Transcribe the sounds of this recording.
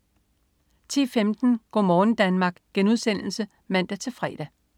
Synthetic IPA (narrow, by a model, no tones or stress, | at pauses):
t͡sʰḭːfemd̥n̩ɡ̥ɒ̰ːmɒːn̩d̥ænmɑ̈ːɡ̥ɡ̥enuðˠsen̰l̩sə | mæn̰d̥æt͡sʰe̝fʁɛ̰ːd̥æ